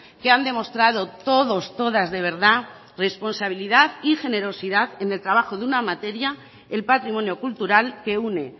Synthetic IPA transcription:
keand̪e̞mo̞st̪ɾaðo̞t̪o̞ðo̞st̪o̞ðazðe̞β̞e̞ɾða | re̞spo̞nsaβ̞iliðaðixe̞ne̞ɾo̞siðaðe̞ne̞lt̪ɾaβaxo̞ðunamat̪e̞ɾja | elpat̪ɾimo̞njo̞kult̪uɾalke̞une̞

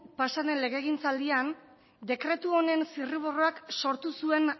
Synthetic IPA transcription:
pasanenle̞ɣe̞ɣ̞int͡sald̪ian | d̪e̞kɾe̞t̪uo̞ne̞nsiriβ̞oroakso̞ɾt̪usue̞n

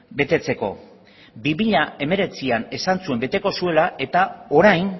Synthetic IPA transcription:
be̞t̪e̞t͡se̞ko̞ | biβiʎae̞me̞ɾe̞t͡siane̞sant͡sue̞mbe̞t̪e̞ko̞sue̞lae̞t̪ao̞ɾajn

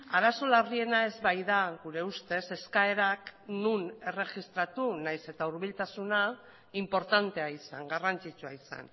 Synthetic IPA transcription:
aɾaso̞larie̞nae̞zβajðaɡuɾe̞ust̪e̞se̞skae̞ɾaknune̞re̞ʝist̪ɾat̪unajse̞t̪auɾβilt̪asuna | impo̞ɾt̪ant̪e̞aisa̰ŋɡarant͡sit͡suaisa̰n

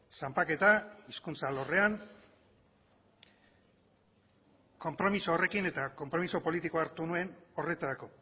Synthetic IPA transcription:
sampake̞t̪aiskunsalo̞re̞an | ko̞mpɾo̞misoːre̞kine̞t̪ako̞mpɾo̞miso̞po̞lit̪iko̞aɾt̪unue̞no̞re̞t̪aɾako̞

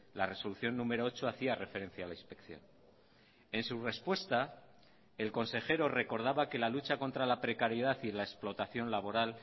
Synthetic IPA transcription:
lare̞so̞luθjo̞nːũme̞ɾoot͡ʃo̞aθiare̞fe̞ɾẽ̞n̟θjaːlainspe̞kθjo̞̰n | e̞nsure̞spwe̞st̪a | e̞lko̞nse̞xe̞ɾo̞re̞ko̞ɾð̞aβake̞lalut͡ʃako̞nt̪ɾalapɾe̞kaɾjeðaθilaesplo̞t̪aθjo̞nlaβo̞ɾal

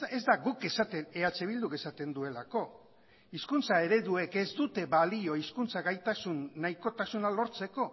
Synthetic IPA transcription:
ezd̪aɣuke̞sat̪e̞neat͡se̞β̞ild̪uke̞sat̪e̞nd̪ue̞lako̞ | iskunt͡sae̞ɾe̞ðue̞ke̞zd̪ut̪e̞βalio̞iskunt͡saɣajt̪asunːaiko̞t̪asunalo̞ɾt͡se̞ko̞

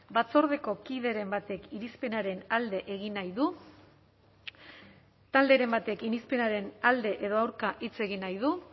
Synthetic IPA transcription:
bat͡so̞ɾð̞e̞ko̞kið̞e̞ɾe̞mbat̪e̞kiɾispe̞naɾe̞nald̪e̞ʔeɣinajðu | t̪ald̪e̞ɾe̞mbat̪e̞kinispe̞naɾe̞nald̪e̞ʔe̞ðo̞awɾkaʔit͡se̞ɣinajð̞u

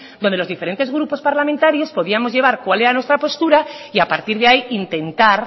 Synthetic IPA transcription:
dd̪ond̪elo̞zðife̞ɾe̞nt̪e̞zɣɾupo̞spaɾlamẽnt̪aɾjo̞spo̞ðiamo̞zʝe̞β̞aɾkwale̞ɾanwest̪ɾapo̞st̪uɾaiapaɾt̪iɾðeaiint̪e̞nt̪aɾ

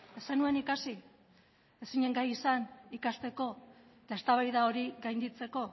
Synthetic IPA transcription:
e̞sanue̞nikasi | e̞siɲe̞ŋɡajisanikast̪e̞ko̞ | et̪ae̞st̪aβajðao̞ɾiɣajnd̪it͡se̞ko̞

